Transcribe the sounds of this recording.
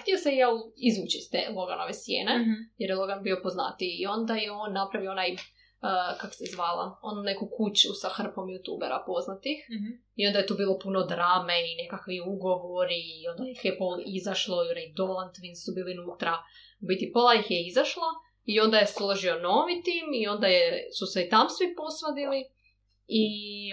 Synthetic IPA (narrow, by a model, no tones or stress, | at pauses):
t̪ijoseializʋuːt͡ɕist̪ḛlˠo̞ɡa̰no̰ʋesjḛːnejeɾjelˠo̞ɡanbiopozna̰t̪iːo̞nd̪ajeo̞nːapɾaʋioonaj | əkako̥sɛzʋaːlˠa̰onunekukut͡ɕusaxr̩po̞mjut̪ṵːbeɾa̰po̞znat̪ix | io̞nd̪ajet̪uːbiːlˠo̞punod̪ɾaːmeine̞kakʋiuɡo̞ʋoɾio̞nd̪ajixjepolizaʃlˠoionaid̪olˠant̪ʋinsubiːlinut̪ɾa | bit̪ipolˠajixjeizaʃlˠa | io̞nd̪ajeslo̞ʒiono̞ːʋit̪iːmio̞nd̪ajesuseit̪amsʋipo̞sʋad̪ili | i